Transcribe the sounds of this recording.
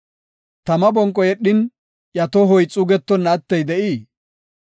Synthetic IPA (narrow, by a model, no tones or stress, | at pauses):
t̪ɐmɐbɔŋkʼːɔjɛɗːɪn | jɐt̪ɔɦɔjt͡sʼʊɡɛt̪ːɔnːɐt̪ːɛjd̪ɛʔiː